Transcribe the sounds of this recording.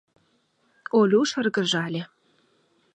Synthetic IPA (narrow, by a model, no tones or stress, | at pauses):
olʲuʃə̆rɣə̆ʒɑlʲĕ